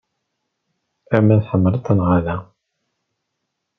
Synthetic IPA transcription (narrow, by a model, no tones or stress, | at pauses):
æmænħəmːəɾət̪ːənʁaðæ